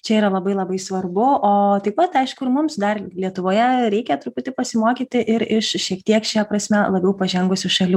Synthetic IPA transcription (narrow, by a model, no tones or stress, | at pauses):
t͡ʃʲɛiːɾɐlˠɐbɐɪlˠɐbɐɪsʋɐrbʊʔoːt̪ɐɪppɐt̪ɐɪʃkʊɪrmʊmsd̪ɐrlʲiɛt̪ʊʋoːjɛɾʲɛɪkʲɛt̪ɾʊpʊt̪ʲɪpɐsʲɪmoːkʲiːt̪ʲɪʔɪɾɪʃʃʲiɛkt̪ʲiɛkʃʲɛpɾɐsʲmʲɛlˠɐbʲɛʊpɐʒʲɛŋɡʊsʲʊʃɐlʲu